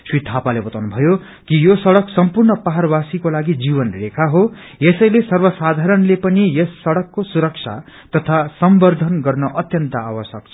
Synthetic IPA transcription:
swit̪ʰapalebʌt̪awnubʱʌjo | kijosʌɽʌksʌmpurnʌpaɦarbasikolaɡid͡zibʌnrekʰaɦo | jesʌjlesʌrbʌsad̪ʱaɾʌnlepʌnijʌsːʌɽʌkːosuɾʌkt͡sʰa̰ | t̪ʌt̪ʰasʌmbʌrd̪ʱʌnɡʌrnʌʔʌt̪jʌnt̪ʌa̰wʌsʌk̚t͡sʰʌ̥

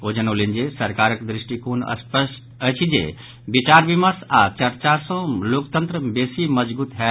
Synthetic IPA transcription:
oːd͡ʒənolind͡ʒesɐɾkaːɾəkd̪ɾɪʃʈikuːnə̰səʃ | ət͡ʃʰid͡ʒḛ | bit͡ʃaːɾʋimasat͡ʃɐɾt͡ʃasõloːkt̪ənt̪ɾəbeːsimɐd͡ʒbuːt̪ɦɛ

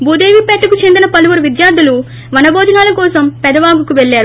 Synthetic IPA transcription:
buːd̪eːʋipɛʈːɐkut͡ʃe̞nd̪inɐpɐluʋuɾuʋid̪jaːɾd̪ːulu | ʋɐnɐbɔːd͡ʒ̪ɐnaːlɐkɔːsɐmpɛd̪ɐʋaːɡukuʋeɭːaːɾu

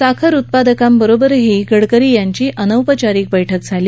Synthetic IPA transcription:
sakʰəɾut̪̚pad̪əkambəɾobəɾɦiɡəɽkəɾiːjaɲt͡ɕiːʔənəwpət͡ɕaɾiːk̚bəjʈʰək̚d͡zʱaliː

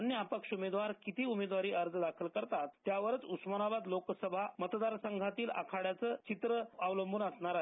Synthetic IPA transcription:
nːjəapəkʂumed̪ʋaɾkit̪iːumed̪ʋaɾiːʔəɾd͡zd̪akʰəlkəɾt̪at̪ːjaʋəɾət͡susmənabad̪loksəbʱamət̪d̪aɾsəŋɡʱat̪iːla̰kʰaɽjat͡səːt͡ɕit̪ɾəaʋləmbʱuːnəsɳaɾaɦe

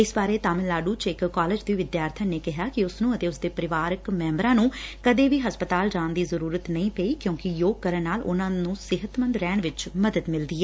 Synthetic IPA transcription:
ɪsbaːɾeːt̪aːmɪllaːɖuːt͡ʃɪkːaːleːd͡ʒd̪iːʋɪd̪jaːɾt̪ʰəneːkɪɦaːkɪʊsnũːət̪eːʊsd̪eːpəɾɪʋaːɾəkmɛ̃ːmbɾãːnũːkəd̪eːʋiːɦəspət̪aːld͡ʒãːnd̪iːzəɾuːɾət̪nəĩːpɛiːkjõːkɪjoːɡ̚kəɾənnaːlʊ̰nãːnũːsɪɦət̪mənd̪ɾɛːɳ̃ʋɪt͡ʃməd̪əd̪mɪld̪iːɛː

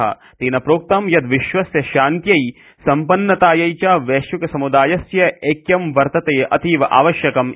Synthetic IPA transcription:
ɦɐ̰ | t̪iːnɐpɾoːk̚t̪ɐmjɐd̪ʋiʃʋɐsjɐʃaːnt̪jɐj | sɐmpɐnːɐt̪aːjɐjt͡ʃaːʋeːʃjukɐsɐmud̪aːjɐsjɐʔeːkjɐmʋɐɾt̪ɐt̪eːʔɐ̰t̪iːʋɐʔa̰ːʋɐʃjɐkɐm

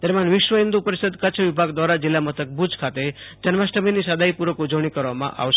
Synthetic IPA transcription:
t̪əɾmanʋɪʃʋəĩnd̪upəɾisəd̪kət͡ʃʰʋibʱaɡd̪ʋaɾad͡ʒilːamət̪ʰək̚bud͡ʒʱkʰat̪ed͡ʒənmasʈəminisad̪aipuɾəkud͡ʒəʋɽ̃ikəɾʋamã̰ʔa̰ʋʃ

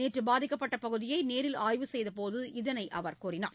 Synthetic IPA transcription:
eːʈrɯbaːðɪkːɐpːɐʈːɐpɐɣɯðɪjɐɪneːɾɪlaːjʋɯsɛjðɐpoːðɯɪðɐnɐɪʔɐʋɐɾkuːrɪna̰ːɾ

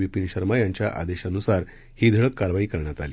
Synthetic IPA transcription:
ʋipinɕəɾmajaɲt͡ɕjaʔa̰d̪eɕanusaɾ | hiːd̪ʱəɭəkːaɾʋaiːkəɾɳjat̪alḭː

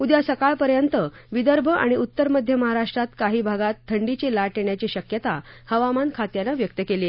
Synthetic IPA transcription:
ud̪jasəkaɭpəɾjənt̪ə | ʋid̪əɾbʱəʔa̰ɽ̃iut̪ːəɾməd̪ʱjəməɦaɾaʂʈɾat̪kaɦiːbʱaɡat̪ʰːəɳɖit͡ɕelaʈeɳjat͡ɕiɕəkjət̪a | həʋamankʰat̪janaʋjək̚t̪əkeli

